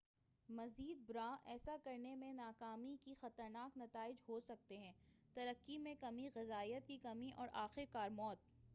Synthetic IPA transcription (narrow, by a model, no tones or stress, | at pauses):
mɐziːd̪̚bʊɾãːʔɛːsakɐɾnemẽnaːkaːmikixɐt̪əɾnaːknɐt̪aːɪd͡ʒɦosɐk̚t̪eɦɛ̃ːt̪ɐɾəkːimẽkɐmiɣɪzaːijət̪̚kikɐmiʔɔːɾʔaːxɪɾkaːɾmɔːt̪̚